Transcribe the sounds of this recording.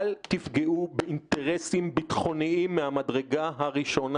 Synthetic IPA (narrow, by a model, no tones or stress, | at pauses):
lt̪ifɡeʔubeinteʁesimbitχo̞niimːehamadʁe̞ɡaɦaʁiʃo̞n